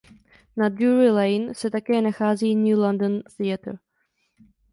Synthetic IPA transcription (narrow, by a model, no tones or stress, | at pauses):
nadjuɾɪlajnsɛt̪akɛːnaxaːziːnuːlandonθɪat̪ɾ